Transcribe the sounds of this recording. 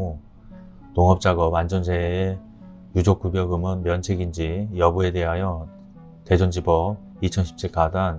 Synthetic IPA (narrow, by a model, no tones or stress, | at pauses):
toŋɦʌp̚t͡ɕ͈aɡʌband͡ʑʌnsʰeee | jud͡ʑok͈ubjʌɡɯmɯnmjʌnt͡ɕʰeɡind͡ʑijʌbue̞de̞ɦajʌ | te̞d͡ʑʌnd͡ʑibʌ | it͡ɕʰʌnɕʰi̥p̚t͡ɕ͈ʰek͈adan